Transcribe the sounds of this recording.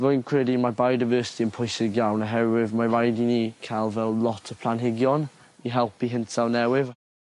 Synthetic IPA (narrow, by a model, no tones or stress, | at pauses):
vojnkʰɹ̥ɛdimabajdajvɜːsɪ̥tʰiənpʰɔjsɪɡjawnəɦɛɾwɪvmaɹajdinikʰajlˠvɛlˠlɔtʰəpʰl̥ˠanɦɪɡjɔn | iɦɛlˠpiɦɪntʰanɛwɪv